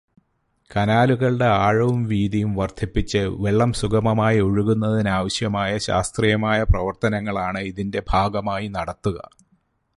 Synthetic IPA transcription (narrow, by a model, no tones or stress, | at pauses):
kɐnaːluɣɐɭɖe̞aːɻɐʋumʋiːðijumʋɐrd̪ʱipːit͡ɕːɨʋe̞ɭːɐmsuɣɐmɐmaːjioɻuɣunːɐðinaːʋɐɕjɐmaːjɐɕa̰ːst̪rijɐmaːjɐprɐʋɐrt̪ɐnɐŋːɐɭaːɳɨiðinde̞bʱaːɡɐmaːjinɐɽɐt̪ːuɣɐ̰